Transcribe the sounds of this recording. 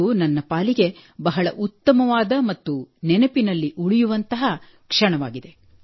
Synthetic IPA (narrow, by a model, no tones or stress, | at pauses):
unɐnːɐpaːliɡe̞bɐɦɐɭɐʔut̪ːɐmɐʋaːd̪ɐmɐt̪ːunɛnɐpinɐlːiʔuɭijuʋɐnt̪ɐɦɐ | kʂɐɳɐʋa̰ːɡid̪e̞